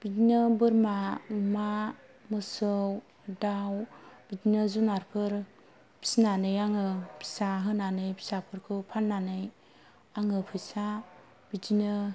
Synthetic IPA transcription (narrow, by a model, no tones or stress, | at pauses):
b̥id͡ʒinɯbɯɾmauma | mɯsɯw | dawbid͡ʒinɯzunaɾpʰɯɾ | bʰi̥snanɯjaŋɯpʰi̥saɦɯnanɯjpʰi̥sapʰɯɾkʰɯpʰanːanɯj | aŋɯpʰɯjsa | b̥id͡ʒinɯ